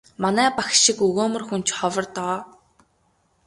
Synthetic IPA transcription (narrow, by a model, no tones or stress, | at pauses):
manæːpaxʃikɵɣoːmɵ̆rxunt͡ɕχɔwɞ̆rt̪ɔː